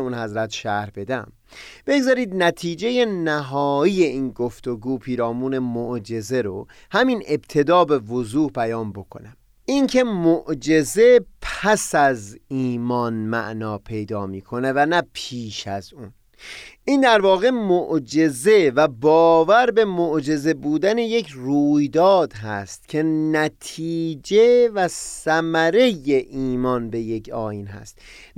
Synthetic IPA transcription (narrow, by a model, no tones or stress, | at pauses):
unhæzɾæt̪ʃæɾbe̞d̪æm | b̥e̞ɡzɒːɾiːd̪̚næt̪ʰiːd͡ʒe̞je̞næɦɒːiːje̞iːnɡo̞ft̪o̞ɡuːpʰiːɾɒːmuːne̞moʔd͡ʒe̞ze̞ɾo | hæmine̞bt̪ʰe̞d̪ɒːbe̞vozuːhbæjɒːnbo̞kʰo̞̰næm | ʔiŋkʰe̞moʔd͡ʒe̞ze̞pʰæsæziːmɒnmæ̰ʔnɒːpʰe̞jd̪ɒːmiːkʰo̞nevænæpʰiːʃæ̰zun | ʔiːnd̪æɾvɒːɣe̞moʔd͡ʒeze̞væbɒːvæɾbe̞moʔd͡ʒe̞ze̞buːd̪æneje̞kʰruːjd̪ɒːd̪ɦæ̰st̪̚cʰe̞næt̪ʰiːd͡ʒe̞væssæmæɾe̞jeʔiːmɒnbe̞je̞kʰɒ̰ːjiːnɦæ̰st̪